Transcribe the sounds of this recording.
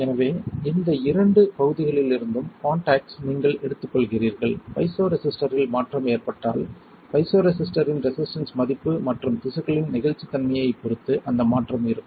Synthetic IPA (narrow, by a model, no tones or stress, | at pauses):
ɛnɐʋeːɪnd̪ɐɪɾɐɳɖɯpɐɣɯðɪɣɐɭɪlɪɾɯnd̪ɯmkaːɳʈaːksniŋɡɐɭʔɛɽɯt̪ːɯkːɔɭɣɪriːɾɣɐɭpɐɪsoːɾɛsɪsʈɐɾɪlmaːʈrɐmeːrpɐʈːa̰ːl | pɐɪsoːɾɛsɪsʈɐɾɪnɾɛsɪsʈɐnsmɐðɪpːɯmɐʈrɯmt̪ɪsɐɣɐɭɪnnɪɣɐɭt͡ʃːit̪ːɐnmɐjɐɪpɔɾɯt̪ːɯʔɐnd̪ɐmaːʈrɐmɪɾɯ